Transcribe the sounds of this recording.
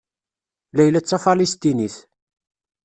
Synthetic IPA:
læjlæt͡sːæfɑlist̪iniθ

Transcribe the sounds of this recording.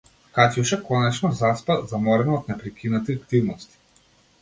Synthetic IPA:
kat̪juʃɛkɔnɛt͡ʃnɔzaspazamɔɾɛnɔɔt̪nɛpɾikʰʲinat̪iakt̪ivnɔst̪i̥

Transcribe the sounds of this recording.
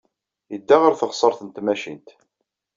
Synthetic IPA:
jəd̪ːæʁəɾθəʁsˤəɾˤθənt̪mæʃḭnt̪

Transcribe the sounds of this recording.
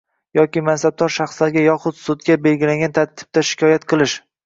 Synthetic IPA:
jɒkʲɪmansab̚d̪ɒɾʃɑχslaɾɡʲajɒχʊt̪sʊd̪ɡʲabe̞lɡʲɪlaŋʲɡʲant̪ʰaɾt̪ʰɪ̥b̚t̪ʰaʃɪ̥kʲʰɒjat̪qʰɨlˠɪʃ

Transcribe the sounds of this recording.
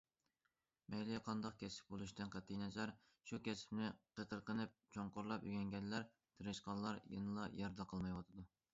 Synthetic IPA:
mɛjliqʰɑnd̪ɑq̚kʲʰɛsɪ̥p̚bolˠuʃt̪ɨnqæt̪ʰːijnɛt͡ʃɑɾ | ʃukʲʰɛsɪ̥pnɪqət̪ʰəɾqənɨp̚t͡ʃʰoɴqoɾlˠɑpjy̰ɡʲɛnɡʲɛlːæɾ | t̪ʰɨɾɨʃqɑnlˠɑɾjɨ̰nɨlˠɑjɑɾd̪ɑqʰɑlˠmɑjwɑt̪ʰɨd̪u

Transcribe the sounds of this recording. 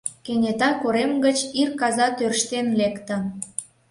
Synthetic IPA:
kenʲet̪ɑkoɾemɡət͡ɕirkɑzɑt̪ørʃt̪enlekt̪ə̆

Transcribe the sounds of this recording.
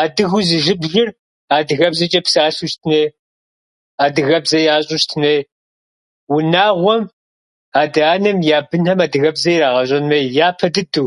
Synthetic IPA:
aːdɨɣʊzɨʒɨbʒɪr | aːdɨɣɐbzɐt͡ʃʼɐpsaːɬuʃtʰɨneː | aːdɨɣɐbzɐjaːɕʼʊʃtʰɨneː | wʊnaːʁʷɔm | aːdɨaːnɐmjaːbɨnhɐmaːdɨɣɐbzɐjɾaːʁɐɕʼɐnmɐjjaːpʰɐdɨduw

